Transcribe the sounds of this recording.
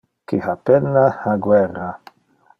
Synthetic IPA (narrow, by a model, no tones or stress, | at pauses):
kihapenːaaɡwɛrːa